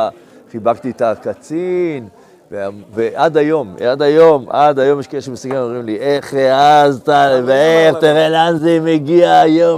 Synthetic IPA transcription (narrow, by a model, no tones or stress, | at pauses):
χibaɡt̪iet̪akat͡sin | veaveʔad̪ajo̞mad̪ajo̞mʔad̪ajo̞mjeʃkaelʃemesuɡanomʁimliʔeχeazt̪aveeʁt̪eʁelanzemeɡiaːjo